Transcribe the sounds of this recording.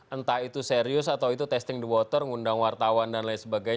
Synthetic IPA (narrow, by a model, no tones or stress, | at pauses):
ʔənt̪ait̪useɾiʊsat̪awit̪ut̪ɛst̪ɪŋdiwɔt̪ɔrŋundaŋwart̪awandanlajsəbaɡaj